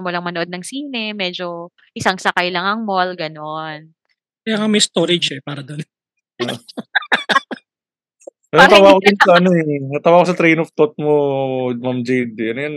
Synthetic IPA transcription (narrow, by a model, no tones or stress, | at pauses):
molɐŋmɐnoʔo̞d̪̚nɐŋsiːnɛmɛd͡ʒo̞ | ʔɪsaŋsɐkajlɐŋɐŋmolɡɐnon | kɐjaŋamɐjst̪oɾɪd͡ʒɛpaːɾɐd̪on | o | ɐɐt̪aːwaːkod̪ɪnsɐʔɐnoɛnɐt̪aːwaːkosɐt̪ɾɛjnoft̪ot̪̚momamd͡ʒejd̪ɐnojan